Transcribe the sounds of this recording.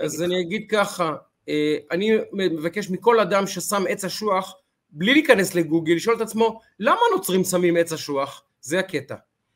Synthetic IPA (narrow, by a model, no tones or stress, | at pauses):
azaniaɡid̪kaχa | eanimemevakeʃmiko̞lad̪amʃesame̞t͡saʃuaχ | bliliːkane̞sle̞ɡuɡelːiʃolet̪at͡smo̞ | lamano̞t͡sʁimsamime̞t͡saʃuaχ | zeake̞t̪a̰